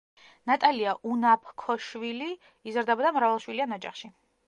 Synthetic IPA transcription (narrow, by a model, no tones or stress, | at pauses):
nat̪ʼaliaʔunapʰkʰɔʃwili | izɾd̪ɛbɔd̪amɾavalˠʃwilianɔd͡ʒa̰χʃi